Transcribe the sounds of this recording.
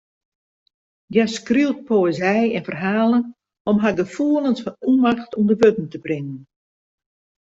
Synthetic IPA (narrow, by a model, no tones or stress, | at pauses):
jjaskriwt̚poəzɛjɛnfərɦaːlˠən | ɔmɦaɡəfuəlˠənsfɔnumaxtʰumdəʋøtn̩təbrɪŋən